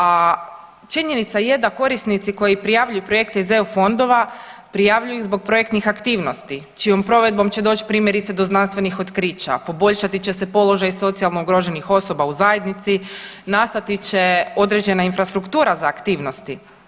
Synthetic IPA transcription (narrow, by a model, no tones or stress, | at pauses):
a | t͡ʃiɲe̞nit̪sajed̪ako̞ɾisnit̪siko̞jipɾijaʋʎujupɾoje̞kt̪eizeufo̞nd̪o̞ʋapɾijaʋʎujuiɣzbo̞ɡ̚pɾo̞je̞kt̪nixakt̪iːʋno̞st̪i | t͡ʃijo̞mpɾo̞ʋe̞d̪̚bo̞mt͡ɕe̞d̪o̞ːt͡ɕi̥pɾiːmje̞ɾit̪sed̪o̞znanst̪ʋe̞nixot̪kɾiːt͡ɕa̰po̞bo̞ʎʃat̪it͡ɕe̞se̞po̞lo̞ʒajso̞t̪sialˠno̞uɡɾoʒe̞nixo̞so̞bauzaje̞d̪nit̪sinast̪at̪it͡ɕe̞o̞d̪ɾe̞d͡ʑe̞nainfɾast̪ɾukt̪uːɾazaːkt̪iːʋno̞st̪i